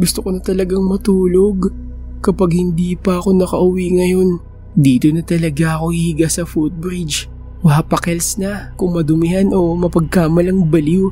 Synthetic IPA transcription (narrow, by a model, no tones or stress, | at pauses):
ɡʊst̪okonɐt̪ɐlɐɡaŋmɐt̪uːlo̞ɡkɐpaɡhɪnd̪iːpɐʔɐko̞nɐkɐʔʊwiŋɐjo̞n | d̪iːt̪o̞nɐt̪ɐlɐɡaɐko̞hihɪɡasɐfut̪̚bɾid͡ʒ | mɐhapɐkɛlsnɐkʊŋmɐd̪ʊmɪhano̞mɐpɐɡ̚kaːmɐlɐŋbɐlu